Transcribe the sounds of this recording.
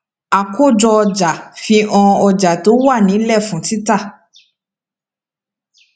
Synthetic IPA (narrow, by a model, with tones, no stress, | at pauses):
a˨ko˦˨d͡ʒɔ˧ɔ˧d͡ʒa˨fĩ˧ʔɔ̃˧ɔ˧d͡ʒa˨to˨˦wa˦˨nĩ˨˦lɛ˦˨fũ˨˦ti˦ta˦˨